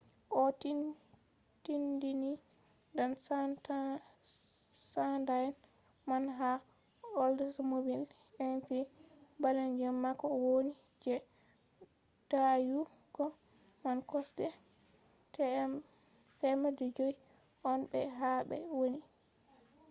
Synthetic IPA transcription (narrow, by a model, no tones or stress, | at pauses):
ʔɔtin | tindini | ndanst | sandajɛn | manɦa | ɔldɔsmobil | ɛntibalɛnd͡ʒɔmːakːɔwoni | d͡ʒɛ | d̥aju | ɡ̥ɔ | mankɔsdɛ | tɛmadɛd͡ʒoji | ʔɔnbɛ̰ɦaɓɛ̰woni